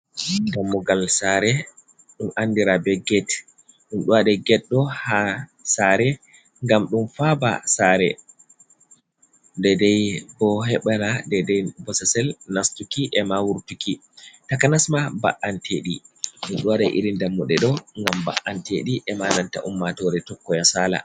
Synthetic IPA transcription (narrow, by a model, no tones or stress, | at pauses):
damːuɡalsaɾɛ | ɗumʔandiɾabɛɡɛt | ɗunɗuwaɗɛɡɛɗːɔhasaɾɛ | ŋɡamɗumfaba̰saɾɛ̰ | ndɛdɛjbɔɦɛɓanadɛdɛjbɔsasɛlnastukiʔɛmawuɾtuki | takanasmaba̰ʔantʰeɗḭɗumɗuwaɗɛjʔḭɾindamːuɗɛɗɔŋɡamba̰ʔanteɗiʔɛmananta̰ʔumːatɔɾɛtɔkːɔjasala̰